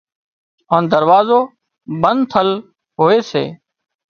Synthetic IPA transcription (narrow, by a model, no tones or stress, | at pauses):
oːnd̪əɾʋaːzoː | ɓənd̪t̪ʰəl | ɦoːeːsḛː